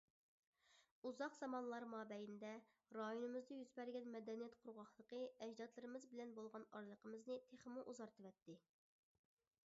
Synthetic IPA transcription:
uzɑqz̥ɑmɑnlˠɑɾmɑːbɛjind̪ɛ | ɾɑjonɨmɨzd̪ɨjyzbɛɾɡʲɛnmɛd̪ɛnijɛt̪qʰʊɾʁɑχlˠəqəɛd͡ʒd̪ɑt̪lˠɨɾɨmɨzbɪlɛnbolˠʁɑnɑɾlˠəqəmɨznɨt̪ʰeχəmuʔuzɑɾt̪ʰɨvɛt̪ːɪ

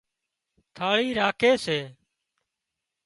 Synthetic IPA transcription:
t̪ʰaːɭiːɾaːkʰeːseː

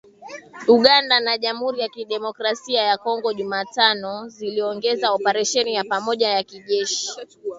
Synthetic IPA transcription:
uɠandanaʄam̩huɾijakiɗɛmɔkɾasiajakɔŋɡɔʄumaːtanɔziliɔŋɡɛzaɔpaɾɛʃɛnijapamɔʄajakiʄɛʃi̥

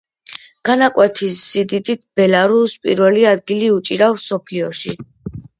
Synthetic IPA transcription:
ɡ̥anakʼwɛt̪ʰisːid̪id̪it̪̚ʰb̥ɛlaɾuspʼḭɾvɛliad̪ɡiliut͡ʃʼiɾafsɔpʰliɔʃi

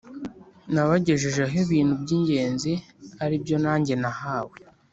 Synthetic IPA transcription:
naβaɟe̞ʒeʒeɦeβiːn̥hubɟiːɲɟe̞ːnziaɾibɟo̞naːɲɟe̞nahaːwe

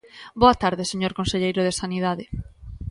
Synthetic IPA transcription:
boat̪aɾðɪseɲoɾkõnseʎejɾʊð̞esaniðaðɪ

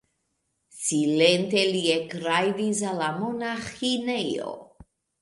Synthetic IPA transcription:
silent̪eliekɾajvizalamonaxinejo̰

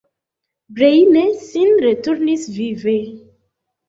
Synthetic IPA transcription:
bɾejnesinɾetuɾnisvive

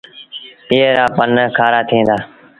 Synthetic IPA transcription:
piːɾaːpənkʰaːɾaːt̪ʰĩːnd̪aː

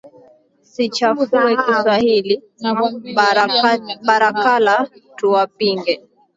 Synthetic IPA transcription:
sit͡ʃafuðuɛkiswahili | ɓaɾakalatuwapiŋɡɛ

